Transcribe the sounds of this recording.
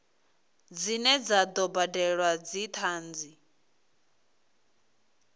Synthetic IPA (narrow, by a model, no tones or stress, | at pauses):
d͡zinɛd͡zad̪ɔbadɛɺwad͡zit̪ʰaːnd͡zi